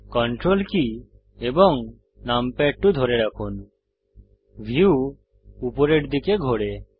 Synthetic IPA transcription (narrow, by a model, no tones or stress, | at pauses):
kɔɳʈɾolki | ebɔŋ | nampɛʈːud̪ʱɔɾeɾakʰun | bʱiu | upɔɾeʈd̪ikeɡʱoɽe